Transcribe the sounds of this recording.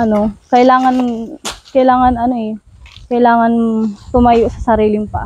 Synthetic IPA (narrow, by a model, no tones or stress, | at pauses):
ʔɐno̞kɐʔɪlaːŋɐnkɐjlaːŋɐnɐno̞ɛ | kɐjlaːŋɐnt̪ʊmajoʔsɐsɐɾiːlɪŋpɐʔ